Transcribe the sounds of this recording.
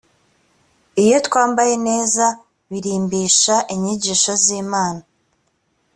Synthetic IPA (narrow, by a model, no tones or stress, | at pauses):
ijo̞tkwaːmbaje̞ne̞ːza | βiɾiːmbiːʃaʔiɲiɟiːʃoziːmaːna